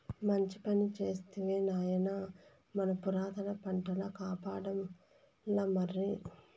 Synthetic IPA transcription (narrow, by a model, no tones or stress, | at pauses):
mɐɲt͡ʃipɐnit͡ʃeːst̪eʋeːnaːjɐnɐ | mɐnɐpuɾaːt̪ɐlɐpɐɳʈɐlɐkaːpaːɽɐm | lɐmɐɾːi